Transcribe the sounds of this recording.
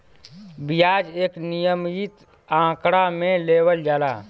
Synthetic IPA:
bɪjaːd͡ʒeːknijəmit̪ | ãːkɽamẽleːwəld͡ʒaːlaː

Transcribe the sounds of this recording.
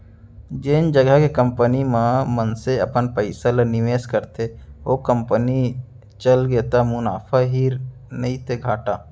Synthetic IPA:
d͡ʒend͡ʒəɡəkekə̃mpənimãmənseɐ̰pənpəɪsalənɪʋeːskəɾt̪eokəmpəni | t͡ʃəlɡeːt̪amʊna̰ːfʰaɦiːɾ | nɐĩt̪eɡʱaːʈaː

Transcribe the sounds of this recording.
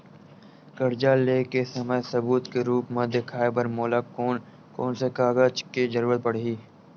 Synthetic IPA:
kəɾd͡ʒaleːkesəməsɐbuːt̪keɾuːpmɐ̃d̪ekʰaːebəɾmoːlakoːn | koːnsekaːɡət͡ʃked͡ʒəɾuːɾət̪̚pəɽɦiː

